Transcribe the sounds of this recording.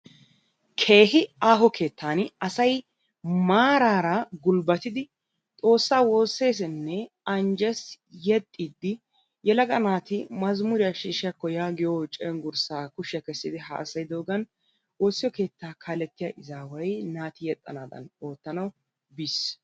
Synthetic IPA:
kʰe̞ːɦɪaːɦɔkʰe̞ːt̪ːaːnɐsɐj | maːɾaːɾɐɡʊlbɐt̪ɪd̪ɪ | t̪ʼo̞ːsːaːwo̞ːsːe̞ːs̬ɛnːɛ | ɐnd͡ʒɛs | jɛt̪ʼːid̪ːɪ | jɛlɐɡɐnaːt̪ɪmɐzmʊɾɪjɐʃiːʃɪjɐkːɔjaːɡɪjoːt͡ʃʼɛŋɡʊɾsaːkʊʃɪjɐkɛsːɪd̪ɪɦa̰ːsɐjd̪o̞ːɡɐn | woːsːɪjɔke̞ːt̪ːaːkʰaːlɛt̪ːɪjaːʔɪzaːwɐjnaːt̪ɪjɛt̪ʼːɐnaːd̪ɐ̰no̞ːt̪ːɐnɐw | bis

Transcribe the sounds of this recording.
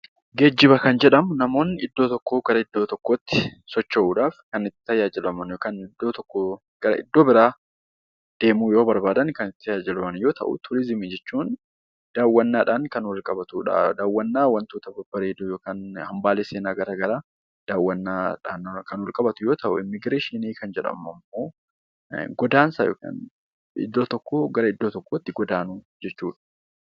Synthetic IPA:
ɡed͡ʒːɪβɐkɐnd͡ʒɛᶑɐmʊnɐmo̞ːnɪd̪ːo̞ːt̪ɔkːoːɡ̥ɐɾɐɪd̪ːo̞ːt̪ɔkːoːt̪ːɪ̥sɔt͡ʃːɐʔuːᶑaːfkɐnɪt̪ːɪ̥t̪ɐjaːd͡ʒɪlɐmɐnjoːkaːnɪd̪ːoːt̪ɔkːo | ɡ̥ɐɾɐ̰ɪ̰d̪ːo̞ːbɪɾaː | d̪̥e̞ːmuːjo̞ːbɐɾbaːd̪ɐnkɐnɪt̪ɪ̥jaːd͡ʒɪlɐmɐnjo̞ːt̪ʰɐ̰ʔṵt̪ʰʊɾɪzɪmɪd͡ʒɛt͡ʃːuːn | d̪̥aːwːɐnːaːᶑaːnkɐnʊrɪkʼɐbɐt̪uᶑa̰d̪aːwːɐnːaːwɐnt̪uːt̪ɐbɐbɐɾeːd̪ujoːkaːnhɐmbaːleːseːnaːɡɐɾɐɡɐɾaː | d̪̥aːwːɐnːaːᶑa̰ːnkɐnʊlkʼɐbɐt̪ʊjo̞ːt̪ɐʔʊ̰ɪmːɪɡɾeːʃiniːkɐnd͡ʒɛᶑɐ̰mɐmːo̞ː | ɡɔd̪aːnsaːjo̰ːka̰ːn | ɪ̰d̪ːoːt̪ɔkːoːɡɐɾɐɪd̪ːoːt̪ɔkːoːɪt̪ːɪɡɔd̪aːnuː | d͡ʒɛt͡ʃːuːᶑɐ̥

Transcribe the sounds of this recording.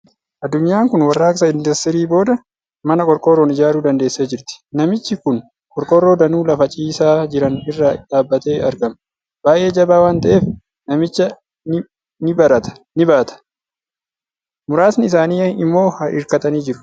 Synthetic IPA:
ʔɐd̪ːʊɲːaːŋkʊnwɐrːaːksɐɪnd̪ɪst̪ɪɾiːbo̞ːd̪ɐ | mɐnɐkʼɔɾkʼoːroːnɪd͡ʒaːɾuːd̪ɐnd̪e̞ːsːeːd͡ʒɪɾt̪ɪ̥nɐmɪt͡ʃːɪkʊn | kʼɔɾkʼoːrːo̞ːd̪ɐnuːlɐfɐt͡ʃʼiːsaːd͡ʒɪɾɐnɪrːɐᶑ̪aːbːɐt̪e̞ːʔɐɾɡɐm | b̥aːʔe̞ːd͡ʒɐbaːwaːnt̪ɐʔe̞ːf | nɐmɪt͡ʃːɐ | nɪ | nɪbɐɾɐt̪ɐ̥ | nɪbaːt̪ɐ̥ | mʊɾaːsnɪɪsaːnɪːɐɪmːo̞ːhɐʔɪ̰ɾkɐt̪ʼɐniːd͡ʒɪɾʊ̥

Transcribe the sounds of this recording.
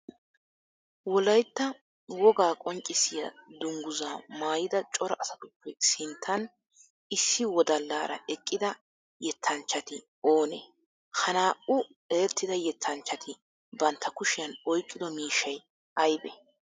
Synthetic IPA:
wɔlɐjt̪ːɐ | wɔɡaːkʼɔŋt͡ʃʼːɪsɪjɐd̪ʊŋɡʊzaːmaːjɪd̪ɐt͡ʃʼɔɾɐʔɐsɐt̪ʼʊpːɛsɪnt̪ʰːɐn | ɪsːɪwɔd̪ɐlːaːɾɐ̰ʔɛkʼːɪd̪ɐ | jɛt̪ʰːɐnt͡ʃːɐt̪ɪ | o̞ːnḛ | hɐnaːʔʊ | eːɾt̪ːɪd̪ɐjɛt̪ʰːɐnt͡ʃːɐt̪ʰɪ | bɐnt̪ʰːɐkʊʃɪjɐnɔjkʼːɪd̪ɔmiːʃɐj | ɐjbɛ

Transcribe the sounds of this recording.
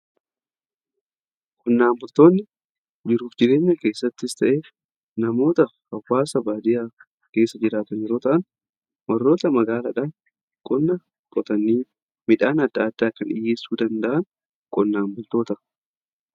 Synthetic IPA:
kʼɔnːaːmbʊlt̪o̞ːnːɪ | d͡ʒɪɾuːfd͡ʒɪɾe̞ːɲːɐke̞ːsːɐt̪ːɪɪst̪ɐʔeːf | nɐmo̞ːt̪ɐhɐwːaːsɐbaːd̪ɪjaː | ke̞ːsːɐd͡ʒɪɾaːt̪ɐnjɛɾo̞ːt̪ɐʔɐn | wɐrːo̞ːt̪ɐmɐɡaːlɐᶑa | kʼɔnːɐ | kʼɔt̪ɐnːiː | mɪᶑaːnɐd̪ːaːd̪̥ːaːkːɐnᶑɪ̰jːeːsːuːd̪ɐnd̪ɐʔɐn | kʼɔnːaːmbʊlt̪o̞ːt̪ɐ

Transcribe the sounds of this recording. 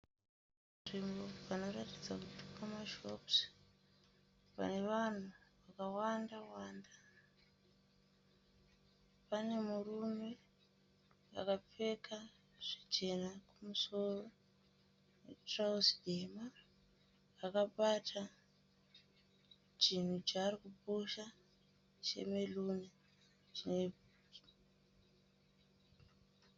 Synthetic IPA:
nʐimbo̞pano̞ratid͡zakutukamaʃo̞ps | pa̰ne̞ʋan̤uʋakawandawaːnda | pane̞murume̞ | a̰kap͡fe̞kʰa | ʐ̥it͡ʃe̞nakumuso̞ro̞ | wḛtrausdema | akaɓatʰa | t͡ʃin̤ut͡ʃaːrikupuʃa | t͡ʃe̞̰melune | t͡ʃine

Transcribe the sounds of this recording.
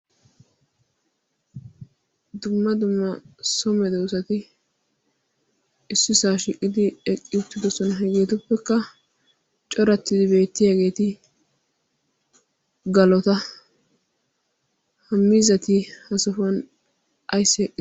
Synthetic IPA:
d̪ʊmːɐd̪ʊmːɐsɔmɛd̪ɛwsɐt̪ɪ | ɪsːɪsaːʃiːkʼːɪd̪ɪɛkʼːɪʊt̪ːɪd̪ɔsɔnɐɦɛɡeːt̪ʊpːɛkːɐ | t͡ʃʼɔɾɐt̪ːɪd̪ɪbe̞ːt̪ːɪjaːɡe̞ːt̪ɪ | ɡɐlɔt̪ɐ | hɐmːiːzɐt̪ɪhɐsɔfɐn | ʔɐjsːɪɛkʼːɪ

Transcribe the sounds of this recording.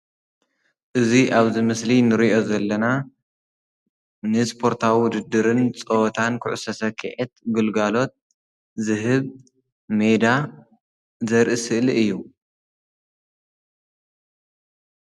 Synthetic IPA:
ʔɨziʔaβzimɨslinɨɾiʔo̞zɐlːɐna | nɨspʰo̞ɾt̪ʰawiwʊd̪ɨd̪ːɨɾɨnt͡sʼot̪ʰankʰɨʕʊsɐsɐkʰɨʕet̪̚ɡɨlɡalo̞t̪̚ | zɨɦɨβ | me̞d̪a | zɐɾʔisɨʔliʔɨjːu

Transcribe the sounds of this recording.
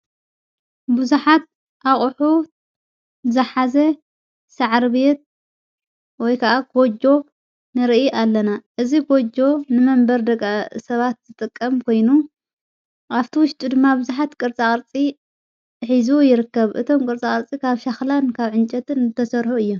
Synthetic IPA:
buzuħat̪̚ | ʔaχʼħu | zɐħazɐ | saʕɾbet̪̚ | wɔjkʰaʔaɡ̥od͡ʒo̞ | nɨɾɨʔiʔalːɐnaʔɨziɡod͡ʒo̞nɨmɐmbɐɾd̪ɐɡʼasɐβat̪zɨt̪ʼɨkʼːɐmkʰo̞jnu | aβt̪ʰiwʊʃt̪ʼud̪ɨmːabɨzuħat̪kʼɨɾt͡sʼakʼɐɾt͡sʼi | ħizujɪɾɨkːɐβʔɨ̰t̪ʰo̞mkʼɨɾt͡sʼaχʼɐɾt͡sʼikʰaβʃaxlankʰaβʕɨnt͡ʃʼɐt̪ɨnt̪ʰɐsɐɾħuɨjːu

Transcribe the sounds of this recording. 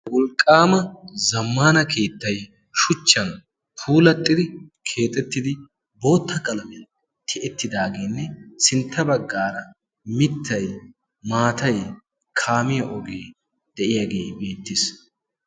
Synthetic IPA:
wɔlkʼːaːmɐzɐmːaːnɐkʰe̞ːt̪ːɐj | ʃʊt͡ʃːɐn | pʰuːlɐt̪ʼːɪd̪ɪkʰe̞ːt̪ʼːɛt̪ːɪd̪ɪ | bo̞ːt̪ːɐkʼɐlɐmɛ | t̪ʰɪʔɛt̪ːɪd̪aːɡeːnːɛsɪnt̪ːɐbɐɡːaːɾɐ | mɪt̪ʰːɐj | maːt̪ɐj | kʰaːmɪjɐʔɔɡeː | d̪̥ɛʔɪjaɡe̞ːbe̞ːt̪ːɪs

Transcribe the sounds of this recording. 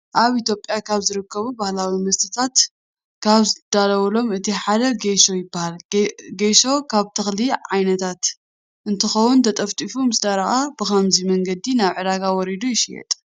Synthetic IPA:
ʔaβʔit̪jo̞pʼjakʰaβzɨɾɨkʰːɐβubahlawimɐst̪ʰɨ̥t̪ʰat̪ | kʰaβzɨd̪̥alɐwɐlo̞mɨt̪ʰiħad̪ɐɡeʃo̞jɪbːahalɡeʃo̞kʰaβt̪ʰɨxliʕajnɐt̪ʰat̪ | ʔɨnt̪ʰɨxɐwunt̪ʰɐt̪ʼɐft̪ʼifumɨsd̪aɾɐʔab̥ɨxɐmzimɐŋɡɐd̪inaβʕɨd̪aɡawɔɾid̪ujɪʃijɛ̰t̪ʼ

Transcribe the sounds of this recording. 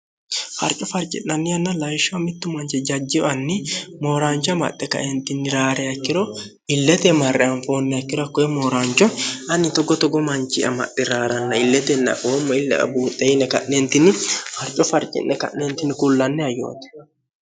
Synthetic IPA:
fɐ̰ɾt͡ʃʼːɔfɐɾt͡ʃʼɪ̰ʔːɐnːɪjɐnːɐlɐjʃːɔɐmɪt̪ːʊmɐnt͡ʃɛd͡ʒɐd͡ʒːɪɐnːɪmoːɾaːnt͡ʃɔɐmɐ̰tːɛkɐ̰ʔɛnt̪ɪnːɪɾaːɾɛɐkːɪɾɔ | ɪlːɛt̪ɛmɐrːɛɐnfoːnːɛɐkːɪɾɔɐkːɔɛmoːɾaːnt͡ʃʼːɔɐnɪt̪ɔɡɔt̪ɔɡɔmɐnt͡ʃʼɪʔɐ̰mɐ̰ʔːɛɾaːɾɐnːɐɪlːɛt̪ɛnːɐ̰ʔoːmːɔɪlːɛ̰ʔɐ̰buːt̪ʼːɛɪnɛkɐ̰ʔnɛnt̪ɪnːɪfɐɾt͡ʃʼɔfɐɾt͡ʃʼɪ̰ʔːɛkɐ̰ʔnɛnt̪ɪnːɪkʊlːɐnːɛɐjo̰ːt̪ɛ̥

